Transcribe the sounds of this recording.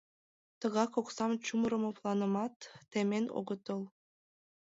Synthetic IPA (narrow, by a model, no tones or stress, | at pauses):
t̪ɤ̆ɣɑkoksɑmt͡ɕumɾɤ̆moplˠɑnɤ̆mɑt̪ːemeno̰ɣət̪ɤlˠ